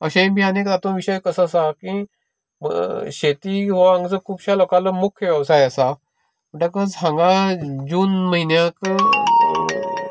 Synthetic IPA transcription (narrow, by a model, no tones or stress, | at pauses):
əɕẽbʱianekd̪at̪õʋiɕəjkəsasakĩ | məɕet̪iɦoãŋɡt͡səkʰuːbɕalokãləmukʰjəʋjɛʋsajəsa | məʈakət͡sɦãŋɡãd͡ʑuːnməɦinjãk